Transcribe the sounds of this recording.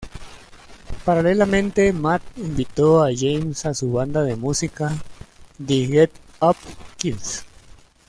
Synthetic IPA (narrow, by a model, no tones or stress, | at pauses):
paɾalelamẽnt̪emat̪̚imbit̪oaʝejmsasuβand̪aðemusika | d̪eɣet̪ | apkiðs